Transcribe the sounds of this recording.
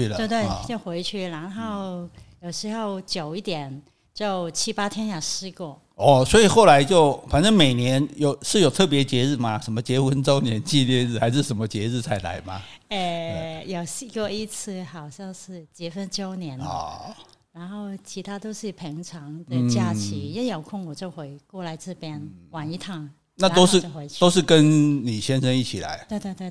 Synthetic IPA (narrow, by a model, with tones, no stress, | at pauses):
y˥˩lə˨˥˧t̪we˥˩t͡ɕjo˥˩ʊxwe˧˥ɪt͡ɕʰy˥˩ɻa˧˥nxo˥˩ʊjo˨˩ʊʂɻ̩˧˥xo˥˩ʊt͡ɕjo˨˩ʊi˥˩t̪jɛ˨˩n | t͡ɕjo˥˩ʊt͡ɕʰi˥pa˥t̪ʰjɛ˥nja˨˩ʂɻ̩˥kwɔ˥˩ | ɔ˥˧swɔ˧˥i˨˩xo˥˩ʊla˧˥ɪt͡ɕjo˥˩ʊfa˨˩nʈ͡ʂɤ˥˩ŋme˨˩ɪnjɛ˧˥njo˨˩ʊʂɻ̩˥˩jo˨˩ʊt̪ʰɤ˥˩p̬jɛ˧˥t͡ɕjɛ˧˥ɻ̩˥˩ma˨ʂə˧˥nmə˧t͡ɕjɛ˧˥xwə˧˦nʈ͡ʂɑ˥ʊnjɛ˧˦nt͡ɕi˥˧ljɛ˥˧ɻ̩˥˩xa˧˥ɪʂ̬ɻ̩˥˩ə˧˥nmə˧t͡ɕjɛ˧˥ɻ̩˥˩t͡sʰa˧˥ɪla̰˧˥ɪma˨ɛ˥˩˥jo˨˩ʊɕi˥˩kɔ˥˩i˥˧t͡s̩ʰ˥˩xɑ˨˩ʊɕjɑ˥˧ŋʂɻ̩˥˩t͡ɕjɛ˧˥fə˥nt͡ɕjo˥ʊnjɛ˧˥nɔ̰˧˩ɻa˧˥nxo˥˩ʊt͡ɕʰi˧˥t̪ʰa˥t̪o˥ʊʂɻ̩˥˩pʰi˧˥ŋʈ͡ʂʰɑ˧˥ŋd̪ə˧˥t͡ɕja˥˧t͡ɕʰi˧˥jɛ˥jɑ˨˩ʊkʰʊ˥˩ŋwɔ˨˩t͡ɕjo˥˩ʊxwe˧˥ɪkwɔ˥˩la˧˥ɪʈ͡ʂ̩˥˧pjɛ˥nwa˨˩ni˥˩t̪ʰɑ˨˩ŋ | na˥˨˥to˥ʊʂɻ̩˥˨o˥˧xe˧˥ɪo˥ʊʂɻ̩˥˩kə˦˥nni˨˩ɕjɛ˥˦nʂə˥ni˥˩t͡ɕʰi˨˩la̰˧˦ɪwe˥˧t̪we˥˧e˥˧